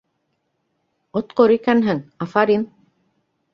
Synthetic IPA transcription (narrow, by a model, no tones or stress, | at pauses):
ŏt̪qoɾikænɦɘŋɑfɑɾin